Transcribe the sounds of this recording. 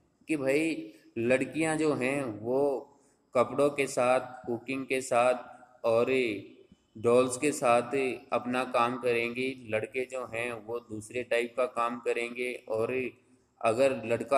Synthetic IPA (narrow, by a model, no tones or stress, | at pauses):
kibʱaːi | lɐɽkijãd͡ʒoːɦɛ̃ʋoː | kɐpɽõkesaːt̪̚ʰkʊkɪ̃ŋɡkesaːt̪̚ʰ | ɔːɾ | ɖɔːlskesaːt̪ʰɐpnakaːmkɐɾẽːŋɡilɐɽked͡ʒoːɦɛ̃ʋod̪uːsɾeʈaːɪp̚kakaːmkɐɾẽːŋ̆ɡeɔːɾ | ɐɡəɾlɐɽka